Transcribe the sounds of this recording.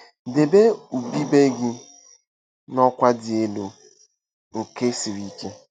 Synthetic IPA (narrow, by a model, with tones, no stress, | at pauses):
de˨be˦u˨bi˦be˦ɡi˦ | nɔ˦kʷa˦dɪ˨e˦lo˨ | ŋ̩˨ke˦si˨ɾi˦ke˦